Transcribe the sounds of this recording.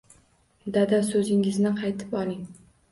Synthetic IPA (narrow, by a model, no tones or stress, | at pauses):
d̪ad̪asɵzɪŋɪznɪqʰɑjt̪ʰɪ̥pɒlˠɪŋ